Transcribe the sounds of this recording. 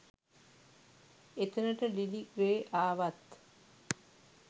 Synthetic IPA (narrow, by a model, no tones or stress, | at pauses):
et̪ənəʈəlilikʋeːʔaːʋat̪